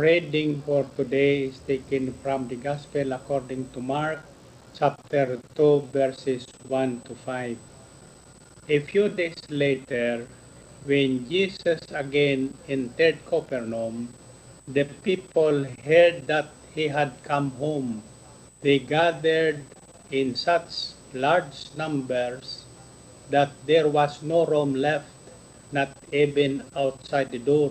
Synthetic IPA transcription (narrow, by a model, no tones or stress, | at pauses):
pɹed̪ɪ̃ŋfɔɹt̪ud̪ejɪst̪ekɛ̃ŋfɾɹɔ̃md̪əɡaspɛlakɔɹd̪ɪ̃ŋt̪umaɹk̚ | t͡ʃap̚t̪ɛɹt̪uvɛɹsɛswãnt̪ufajv | efjud̪ejslet̪ɛɹ | wɛ̃nd͡ʒisasaɡɛ̃nɛ̃nt̪ɛɹd̪̚kʰopɛɹnɔ̃m | d̪əpipolhɛɹd̪̚ːat̪̚hiɦad̪̚kʰãmɦõm | d̪eɡad̪ɛɹd̪ | ɪ̃nsat͡ʃ | laɹd͡ʒnãmbɛɹs | d̪at̪̚d̪ɛɹwasnoɾomlɛft̪ | nat̪ivɛ̃nawt̪sajd̪̚əd̪ɔɹ